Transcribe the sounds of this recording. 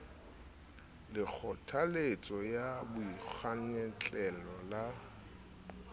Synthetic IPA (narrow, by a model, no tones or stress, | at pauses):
lɪk͡xʰɔtʰalet͡sʼɔjabʊik͡xʰaɲɛt͡ɬʼɛlɔla